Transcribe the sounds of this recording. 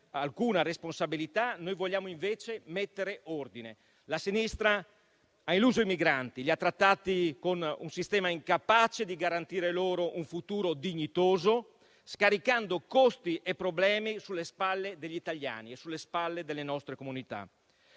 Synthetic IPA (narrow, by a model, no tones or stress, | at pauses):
alkuːnaresponsabilit̪anojvoʎːaːmoiɱveːt͡ʃemet̪ːeɾeord̪ine | lasinist̪ɾa | ainluːzoimiɡɾant̪iʎiat̪ːɾat̪ːaːt̪ikonunsist̪ɛːmaiŋkapat͡ʃed̪iɡaɾant̪iːɾeloːɾoʔuɱfut̪uːɾod̪iɲːit̪oːzo | skaɾikand̪okost̪iʔepːɾoblɛːmisulːespalːed̪eʎːit̪aʎːa̰ːniesulːespalːed̪elːenɔst̪ɾekomunit̪a̰